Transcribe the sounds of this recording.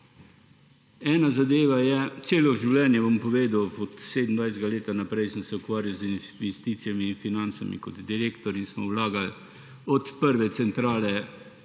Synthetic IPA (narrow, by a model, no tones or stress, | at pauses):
ɛːnazad̪eːʋajɛt̪seːlɔʒiwlɛːnjɛbɔmpɔʋeːd̪awɔt̪seːd̪ənd̪ʋajzɡaleːt̪anapɾɛjsəmsɛukʋaːɾjawzinʋɛst̪iːt̪sijamiːnfinant̪sa̰mḭkɔd̪d̪iɾeːkt̪ɔɾinsmɔwlaːɡal | ɔt̪pəɾʋɛt̪sɛnt̪ɾaːlɛ